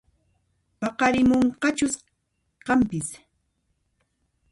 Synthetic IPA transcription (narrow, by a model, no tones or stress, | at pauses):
pɑqɑɾɪmoɴqɑt͡ʃʊs | qɑmpɪs